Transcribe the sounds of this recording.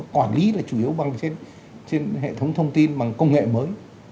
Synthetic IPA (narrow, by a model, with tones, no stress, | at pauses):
kwaː˧˩nli˨˦laː˨˩t͡ɕu˧˩i˨˦əwɓa˨˩ŋt͡ɕe˧n | t͡ɕe˧nɦḛ˧˨t̪ʰə˨˦wŋ͡mt̪ʰə˧wŋ͡mt̪i˧nɓa˨˩ŋkə˧wŋ͡mŋḛ˧˨məː˨˦j